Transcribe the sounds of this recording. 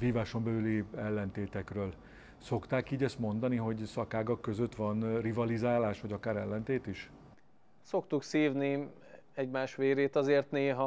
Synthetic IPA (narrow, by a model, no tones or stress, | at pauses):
viːvaːʃo̞mbɛlyliɛlːɛnt̪eːt̪ɛkrøːl | so̞kt̪aːkiːɟɛst̪mo̞nd̪ɒniɦo̞ɟsɒkaːɡɒkːøzø̞t̪ʋɒnrivɒlizaːlaːʃʋɒɟɒkaːɾɛlːɛnt̪eːt̪iʃ | so̞kt̪uksiːvni | ɛɟmaːʃʋeːɾeːt̪ɒzeːrt̪neːɦɒ